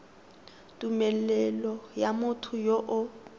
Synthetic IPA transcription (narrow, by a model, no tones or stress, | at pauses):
tʼumɛlɛlɔjamʊtʰʊjoʔʊ